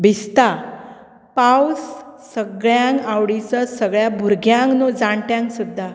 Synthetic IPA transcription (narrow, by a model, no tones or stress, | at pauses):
bʱist̪a | pawsː | əɡɭjãŋkawɽit͡səsəɡɭjabʱuɾɡjãŋknod͡zaɳʈjãŋksud̪ʱːa